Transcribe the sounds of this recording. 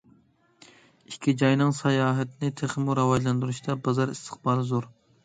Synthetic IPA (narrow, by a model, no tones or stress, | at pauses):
ikʲʰːid͡ʒɑjnɨŋsɑjɑːɦɛt̪ʰɪnɪt̪ʰeχmuɾɑwɑʒlˠɑnd̪uɾuʃt̪ɑbɑzɑɾḭst̪ʰə̥χbɑːɾɨzoɾ